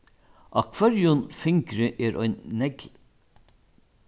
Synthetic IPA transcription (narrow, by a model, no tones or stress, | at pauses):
ʔɑkʰvɑɾjʊnfɪŋkɾəʔeːɾʔœ̰ʏnːɛɡl